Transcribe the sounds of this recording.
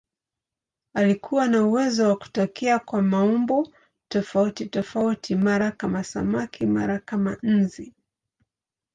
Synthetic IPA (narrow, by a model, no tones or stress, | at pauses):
alikʰuwanauwɛzɔwaku̥takiakwamaumbɔ | tɔfautitɔfautʰimaɾakamasa̰makʰima̰ɾakaman̩zi